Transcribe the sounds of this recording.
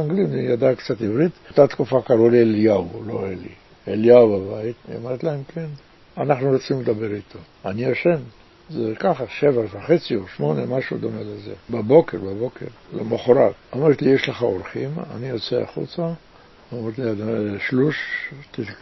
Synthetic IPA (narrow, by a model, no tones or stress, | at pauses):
aŋɡlimijad̪akt͡sat̪ivɾit̪t̪at̪kufakaɾulieljawloelḭ | eljawbabait̪o̰maɾt̪laemken | anaχnuɾot͡sinuled̪abeɾit̪ʰo | anioʃen | zekaχaʃevavaχet͡sioʃmo̞nemaʃud̪omelezebabo̞keɾbabo̞kḛɾlemoχoɾaɡomeɾet̪lijeʃleχaoɾχima̰nijot͡sea̰χṵt͡sa | omeɾet̪liadʃluʃti